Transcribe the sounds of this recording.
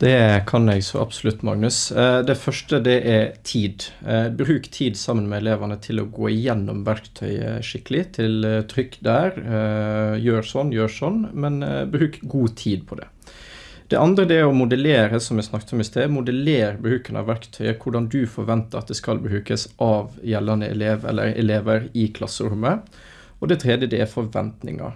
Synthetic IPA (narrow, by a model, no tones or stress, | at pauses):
d̪̥ɛkʰɑnɛɡsɔ̰ʔɑ̰bsʊlʉt̪ːmɑ̰ŋnʉsd̪ɛfœʂʈəd̪ɛʔɛɾt̪ʰiːd̪bɾʉːkt̪ʰiːd̪sɑmːənmɛɛleːʋənət̪ʰɪlɔ̰ɡoːɪjɛnːɔ̰mʋæɾkt̪ʰœʏə̰ʂɪkːəlɪt̪ʰɪlt̪ʰɾʏkːd̪æːɾ | jøːɾsɔnːjøːsɔnːmɛnbɾʉːkɡuːt̪ʰiːd̪̚pʰɔd̪ɛ̰ | d̪̥ɛ̰ʔɑnd̪ɾəd̪ɛæɾɔmʊd̪əleːɾəsɔmæsnɑkːt̪ɔmɪst̪ʰeːmʊd̪əleːɾbəɾʉːkənɑ̰ʋæɾkt̪ʰœʏəkʰʊɖɑnd̪ʉfɔɾʋɛnt̪əɾɑt̪̚d̪ɛskɑlbəɾʉːkəsʔɑʋjɛlːɑnəʔɛ̰leːʋɛ̰lːə̰ɾɛ̰leːʋəɾɪkʰlɑsːəɾʉmːə | ɔd̪ɛt̪ʰɾeːd̪jəd̪ɛæɾfɔɾʋɛ̰nt̪nɪ̰ŋɑ̰ɾ